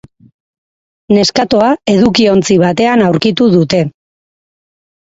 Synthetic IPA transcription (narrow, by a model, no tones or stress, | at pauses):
ne̞skat̪oae̞ðukio̞nt͡siβ̞at̪e̞anawɾkit̪uðut̪e̞